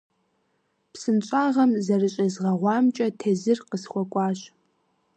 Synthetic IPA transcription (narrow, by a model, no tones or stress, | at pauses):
psɨnt͡ʃʼaːʁɐmzɐrɨɕʼɐzʁɐʁʷɑːmt͡ʃʼɐtʰeːzɨrqəsχʷɔkʷʼɑːɕ